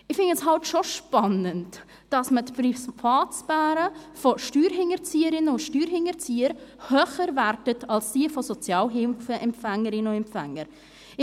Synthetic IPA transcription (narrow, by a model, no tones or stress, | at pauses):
ɪχfɪndɛsɦɑltʃoʃpɑnənt | d̥ɑsmətpɾifɑːsbæːɾəfoʃtyːɾɦɪŋət͡siːəɾɪnəʊʃtyːɾɦɪŋəɾt͡siːəɾhœχəɾværtətɑlsdiəfɔsɔt͡sjɑːlɦɪfəʔɛmfæŋəɾɪnəʊɛmfæŋːəɾ | ɪ